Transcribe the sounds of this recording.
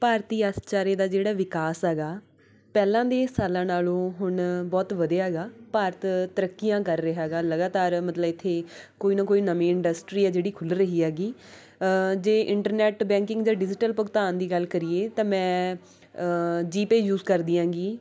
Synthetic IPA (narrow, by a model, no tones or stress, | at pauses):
paːɾt̪iːast͡ʃaːɾeːd̪aːd͡ʒeːɽaːʋɪkaːsɦɛːɡaː | pɛːlãːd̪eːsaːlãːnaːlõːɦʊɳbɔːt̪ʋəd̪eːɦɛːɡaːpaːɾət̪t̪əɾəkːijãːkəɾːəɦɛːɡaːləɡaːt̪aːɾmət̪ləbɪt̪ʰːeːkoːiːnãːkoːiːnəmẽːɪɳɖəsʈɾiːɛːd͡ʒeːɽiːkʰʊlɾəɦiːɦɛːɡiː | d͡ʒeːʔɪɳʈəɾnɛːʈbɛ̃ːŋkɪ̃ŋɡd͡ʒãːɖɪd͡ʒɪʈəlpəkt̪aːnd̪iːɡəlkəɾieːt̪ãːmɛ̃ː | d͡ʒiːpeːjuːzkəɾd̪ɪjãːɡiː